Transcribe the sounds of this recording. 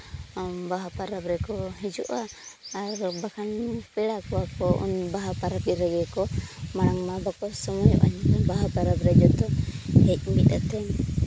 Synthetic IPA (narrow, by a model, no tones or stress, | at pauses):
mbaɦapaɾabɾɛkɔɦid͡ʒɔʔaː | ɾbakʰanpɛɽakɔakɔʔṵnbaɦapaɾabiɾaɡɛkɔmaɽ̃aŋmabakɔsɔmɔjɔ̰ʔa̰ɲt̪ɔbaɦapaɾabɾɛd͡ʒɔt̪ɔhɛc̚mit̪at̪ɛŋ